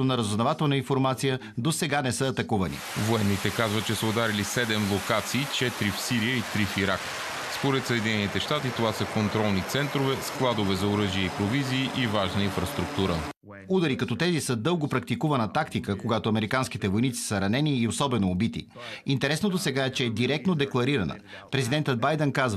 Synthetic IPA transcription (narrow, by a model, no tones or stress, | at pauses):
onɐɾəzʊznɐvat̪ɛlˠnəinfoɾmat̪sijə | d̪osɛɡanɛsɤɐːt̪ɐkuvɐnḭvoɛnːit̪ɛkazvət̪̚t͡ʃɛsəod̪aɾilisɛd̪ɛmlˠokat̪siːt͡ʃɛt̪ɾifsiɾijəit̪ɾifiɾak | spoɾɛt̪səɛːd̪ʲinɛnit̪ɛʃt̪at̪it̪ovasəkont̪ɾɔlˠnit̪sɛnt̪ɾovɛsklˠad̪ovɛzɐoɾɤʒiəipɾoviziːʔivaʒnəinfɾəst̪ɾuk̚t̪uɾə̰ | ud̪əɾikɐt̪ɔt̪ɛzisəd̪ɤlˠɡopɾɐk̚t̪ikuvɐnət̪akt̪ikəkoɡat̪oɐmɛɾikanskit̪ɛvojnit̪si̥səɾɐnɛniːosɔbɛnoːbit̪ḭ | int̪ɛɾɛsnod̪osɛɡaɛt͡ʃɛɛd̪iɾɛk̚t̪nod̪ɛklˠɐɾiɾɐnə̰pɾɛzid̪ɛnt̪ət̪̚bajd̪ɛnkazv